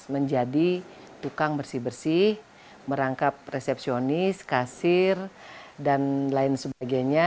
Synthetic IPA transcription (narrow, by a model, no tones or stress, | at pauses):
məɲd͡ʒadi | t̪ukaŋbərsɪhbərsɪh | məɾaŋkap̚resɛp̚sionɪskasɪrdanlaɪnsəbaɡajɲa